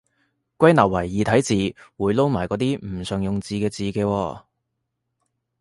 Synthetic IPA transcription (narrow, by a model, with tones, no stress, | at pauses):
kʷɐ˥jnɐː˨˩w̚ɐ˨˩jːiː˨˧t̪ʰɐ˨˥jt͡siː˨wuː˨˧jlo˥wmaː˨˩jkɔː˨˥t̪̬iː˥m̩˨˩sœː˨˧ŋjʊ˨ŋt͡siː˨kɛː˧t͡siː˨˧kɛː˧wɔː˧